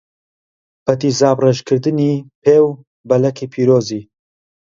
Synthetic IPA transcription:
bɐt̪iːzaːbreʒkʰɨɾd̪ɨnipʰeːw | bɐlɐkʰiːpʰiːɾoːzi

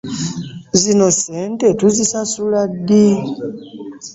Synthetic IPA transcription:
zinoseːntetuzisasuladːi

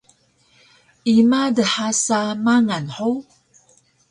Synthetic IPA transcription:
imadəħasamaŋanħow

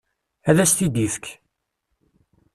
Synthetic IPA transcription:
æðæst̪id̪iθk

